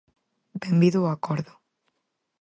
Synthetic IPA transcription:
bembiðuakoɾðo

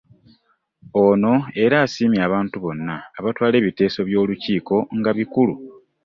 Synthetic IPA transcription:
o̞no̞e̞ɾaːsiːmjaːβaːntuβo̞nːaːβatwaːle̞ːβite̞ːso̞βjo̞ːluciːko̞ŋɡaβikulṵ

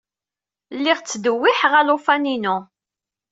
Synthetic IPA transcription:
lːiʁt͡sːd̪əwːiħʁælufæninʊ

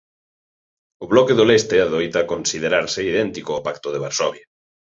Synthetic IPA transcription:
ʊβlɔkeðolest̪ɪaðojt̪akonsið̞eɾaɾsɪiðɛnt̪ikʊapakt̪ʊðeβ̞aɾsɔβja

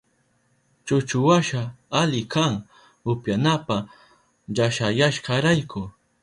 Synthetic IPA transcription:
t͡ʃʊt͡ʃʊwaʃaalɪkʰaŋ | ʊpjanapa | ʎaʃajaʃqɑɾajkʰʊ

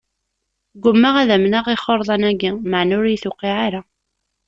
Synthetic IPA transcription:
ɡʷʊmːəʁæðæmnaʁiχoɾˤðˤɑnæɡiməʕnʊɾjθʊqːiʕaɾa

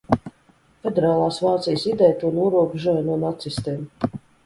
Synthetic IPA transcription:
fʲed̪eɾaːlˠaːsvaːt̪sijsid̪ɛjt̪uɔnuɔɾuɔbeʒuɔjanuɔnat̪sist̪iːm

